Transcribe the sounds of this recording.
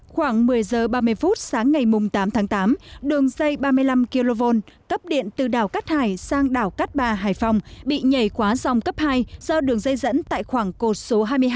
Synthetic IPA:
xwaː˧˩ŋmɨ˨˩əjzəː˨˩ɓaː˧mɨ˧əjfu˦˥t̚saː˨˦ŋːa˨˩jmʊ˨˩ŋ͡mt̪aː˨˦mt̪ʰaː˨˦ŋt̪aː˨˦mɗɨ˨˩əŋzə˧jɓaː˧mɨ˧əjla˧mki˧lo˧vo˧nkə˦˥p̚ɗḭ˧˨ənt̪ɨ˨˩ɗaː˨˩wkaː˦˥t̚haː˨˩jsaː˧ŋɗaː˧˩wkaː˦˥t̚ɓaː˨˩ɦaː˨˩jfa˧wŋ͡mɓḭ˧˨ɲə˨˧˩jkwaː˨˦za˨˩wŋ͡mkə˦˥p̚haː˧jzɔ˧ɗɨ˨˩əŋzə˧jzə̰˧˥nt̪a̰ː˧˨jxwaː˧˩ŋko˨˩t̚so˨˦ɦaː˧jmɨ˧j

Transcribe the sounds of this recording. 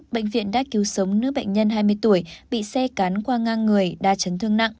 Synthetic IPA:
ɓḛ˧˨jŋ̟vḭ˧˨ənɗa̰ː˧˥ki˨˦wsə˨˦wŋ͡mnɨ̰˧˥ɓə̰˧˨ŋ̟ɲə˧nɦaː˧jmɨ˧əjt̪u˧˩əjɓḭ˧˨sɛ˧kaː˨˦nkwaː˧ŋaː˧ŋːɨ˨˩əjɗaː˧t͡ɕə˨˦nt̪ʰɨ˧əŋna̰˧˨ŋ

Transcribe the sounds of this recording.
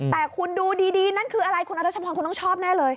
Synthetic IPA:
t̪ɛː˨˩kʰu˧nduː˧diː˧diː˧na˦˥˩nkʰɯː˧ʔa˧ɾa˧jkʰu˧nʔa˧ɾa˦˥˩t͡ɕa˧pʰɔː˧nku˧nt̪ɔ˥˩t͡ɕʰɔː˥˩p̚nɛː˥˩lɤː˧j

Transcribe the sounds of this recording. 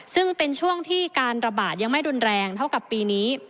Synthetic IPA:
sɯ˥˩ŋpe˧nt͡ɕʰu˥˩əŋt̪ʰiː˥˩kaː˧nɾa˧baː˨˩t̪̚ja˧ŋma˥˩jɾu˧nɾɛː˧ŋt̪ʰa˥˩wka˨˩pːiː˧niː˦˥

